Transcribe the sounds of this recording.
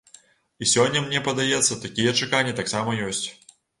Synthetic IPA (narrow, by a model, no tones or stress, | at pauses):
isʲɔnʲːɐmnʲɛpɐd̪ajɛt̪sːɐt̪akʲijɛt͡ʂɨkanʲːɛt̪aksamɐjɔsʲt͡sʲ